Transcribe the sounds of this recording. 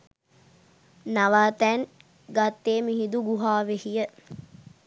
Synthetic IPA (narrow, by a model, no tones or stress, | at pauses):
naʋaːt̪ɛn | ɡat̪ːeːmiɦid̪uɡuɦaːʋehijə